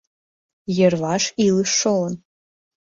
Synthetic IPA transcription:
jɛrvaʂilɨʂoln

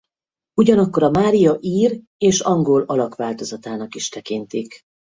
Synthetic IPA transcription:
uɟɒnɒkːo̞ɾɒmaːɾijɒʔiːr | eːʃɒŋɡo̞lɒlɒkʋaːlt̪o̞zɒt̪aːnɒkiʃt̪ɛkint̪ik

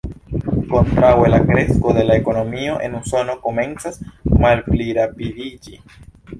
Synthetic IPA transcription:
kont̪ɾawelakɾeskoðelaeko̞nomioʔḛnunsonokomẽnsasmalpliɾapiðid͡ʒi

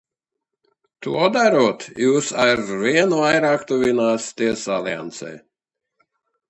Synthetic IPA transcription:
t̪uɔd̪aɾut̪juːsaɾvʲiɛnuajɾaːkt̪uvʲinaːst̪iɛsalʲia̰nt̪sɛ̰j

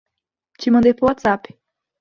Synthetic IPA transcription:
t͡ʃimɐ̃nd̪ejpʊwat̪sap

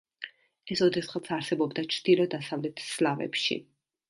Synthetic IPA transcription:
ɛsɔd̪ɛsʁat̪sʰaɾsɛbɔbd̪at͡ʃʰɾd̪̥ilˠɔd̪asavlɛt̪ʰslavɛ̰pʃḭ

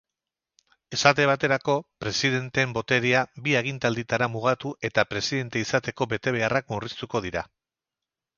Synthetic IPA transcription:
e̞sat̪̬e̞β̞at̪e̞ɾako̞pɾe̞siðe̞nt̪embo̞t̪e̞ɾiabieɣ̞int̪ald̪it̪aɾamuɣ̞at̪uʔe̞t̪apɾe̞siðe̞nt̪e̞isat̪e̞ko̞be̞t̪e̞β̞e̞arakmurist̪uko̞ð̞iɾa

